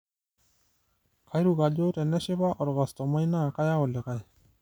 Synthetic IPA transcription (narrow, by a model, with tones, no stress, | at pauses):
ka˨jɾu˨ka˨ɟo˦tɛ˨nɛ˦ʃɪ˦ba˦ʔɔ˨ɾɣa˨st̪ɔ˨ma˦jna˦˨ka˦ja˦ɔ˨le˨ka˦j